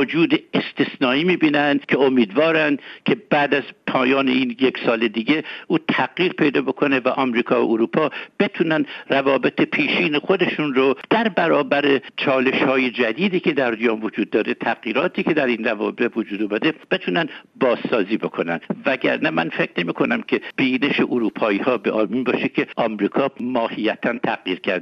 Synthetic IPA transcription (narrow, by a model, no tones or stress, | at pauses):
od͡ʒuːd̪eest̪ʰesnɒːiːmiːbiːnænd̪kʰe̞omiːd̪vɒːɾæn̥kʲʰe̞bæːd̪æzpʰɒːjɒːneiːnjeksɒːled̪iːɡe̞ʔuːt̪ʰæɡjiːɾpʰe̞jd̪ɒːbo̞kʰo̞nevæʔɒːmɾiːkʰɒːvoʔuɾuːpʰɒːb̥e̞t̪ʰuːnænrævɒːbe̞t̪ʰepʰiːʃiːnexod̪e̞ʃunɾod̪̥æɾbæɾɒːbæɾet͡ʃʰɒːle̞ʃhɒːje̞d͡ʒæd̪iːd̪iːkʰe̞d̪æɾd̪jɒːmvod͡ʒuːd̪ːɒːɾet̪ʰæʁjiːɾɒːt̪ʰiːke̞d̪æɾinrævɒ̰ːbet̪vod͡ʒuːd̪omæd̪eb̥e̞t̪ʰuːnænbɒːsːɒːziːbo̞kʰo̞nænd̪væɟæ̰ɾnæmænfekʰne̞miːkʰo̞næmkʲʰe̞b̥iːne̞ʃeʔoɾuːpʰɒːiːhɒːbeʔɒːmiːnbɒːʃekʲʰe̞ʔɒmɾiːkʰɒːmɒːhijæt̪ʰænt̪ʰæqjiːɾkʰæɾd̪